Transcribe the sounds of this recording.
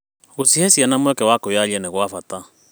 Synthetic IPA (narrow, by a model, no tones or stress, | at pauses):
ɣosihɛsianamwɛkɛwakojaʎɛnɛɣwafata